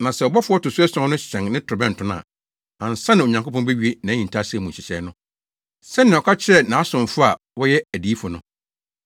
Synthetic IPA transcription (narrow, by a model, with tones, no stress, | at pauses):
nã˨sɛ˨ɔ˨bɔ˦fʊ˦ɔ˦tʊ˨su˦ɛ˦sɔ̃˦nʊ̃˦ɕɛ̃˨ŋnɪ̃˦tʰʊ˨bɛ̃˦n̩˨tʰʊ̃˦n˦ã̰˨ | ã˨n̩˨sã˦nɪ̃˨o˨ɲã˨ŋko˦pʰɔ̃˦bɛ˦ɥi˦e˦nã˨˦ɲĩ˨n˨tʰa˦sɛ˦˨mũ˨ɕɪ˨ɕɛ˨˦nʊ̃˦ | sɛ˦nɪ̃˨ɔ˨kʰa˦t͡ɕʰɪ˦ɛ˦nã˨˦a˦sʊ̃˨ɱ˨fʊ˦a˨ | wɔ˦jɛ˦æ˨diː˨˦fʊ˨nʊ̰̃˦